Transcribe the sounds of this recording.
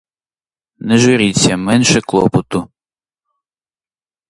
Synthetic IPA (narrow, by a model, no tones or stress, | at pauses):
nɛʒʊɾʲit͡sʲːɐmɛnʃɛklˠɔ̰pɔt̪ʊ